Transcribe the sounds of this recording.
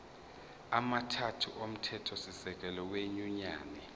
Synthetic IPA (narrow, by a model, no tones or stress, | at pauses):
amatʰatʰuʔom̩tʰɛtʰɔsisɛk̬ʼɛlɔweɲuɲaːnɛ